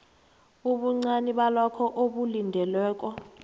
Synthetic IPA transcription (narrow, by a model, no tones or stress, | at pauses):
uɓuŋ͡ǀaniɓalɔkʰɔʔoɓulindʱɛlwɛːk̬ʼɔ